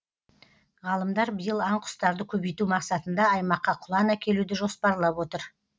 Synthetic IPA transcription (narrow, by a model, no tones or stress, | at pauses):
ʁɑlˠəmd̪ɑɾbəjəlˠɑɴqʰʊ̥st̪ɑɾd̪əkʲʰɵbijt̪umɑqsɑt̪ənd̪ɑɑjmɑqːɑqʰʊlˠɑnɑkʲʰe̞lud̪ɪʒo̞spɑɾlˠɑpwo̞t̪əɾ